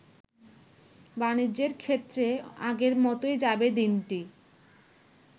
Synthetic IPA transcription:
banid͡ʑeɾkʰet̪ːɾea̰ɡeɾmɔt̪oed͡ʑabed̪inʈi

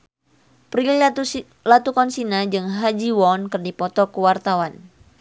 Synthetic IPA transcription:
pɾil | lat̪ukɔnsinad͡ʒɨŋɦad͡ʒiwɔnkɨrdipɔt̪ɔkəwart̪awan

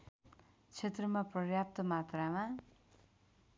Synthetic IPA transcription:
t͡sʰet̪rʌmaprʌjap̚t̪ʌmat̪rama

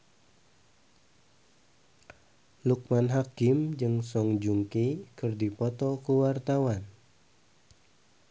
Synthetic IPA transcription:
luk̚manɦakɪmd͡ʒɨŋsɔŋd͡ʒuŋkikɨrdipɔt̪ɔkuwart̪awan

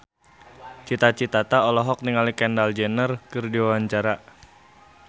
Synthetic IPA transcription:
t͡ʃit̪at͡ʃit̪at̪aɔlɔɦɔk̚niŋalikɛndald͡ʒɛnərkɨrdiwawaɲt͡ʃaɾa

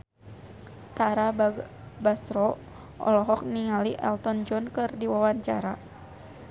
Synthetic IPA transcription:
t̪aɾa | basɾɔ | ʔɔ̰lɔɦɔk̚niŋaliʔɛ̰lt̪ɔnd͡ʒɔnkɨrdiwawaɲt͡ʃa̰ɾa

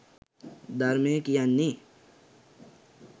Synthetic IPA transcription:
d̪əɾmẽkijanːi

